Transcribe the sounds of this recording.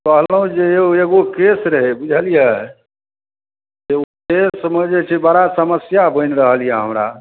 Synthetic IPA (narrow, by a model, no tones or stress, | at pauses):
kəɦləɦũd͡ʒeeeɡokesɾəɦebud͡ʒʱəlija | d͡ʒeukesmed͡ʒet͡ʃʰibəɾasəməsjabənɾəɦəlijaɦəmɾa̰